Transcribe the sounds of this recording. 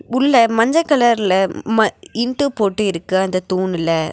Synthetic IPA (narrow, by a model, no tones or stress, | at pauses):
ʊlːɐmɐɲd͡ʒɐkɐlɐɾɪlɐmɐɪɳʈɯpoːʈːɯɪɾɯkːɯɐnd̪ɐt̪uːnɪlɐ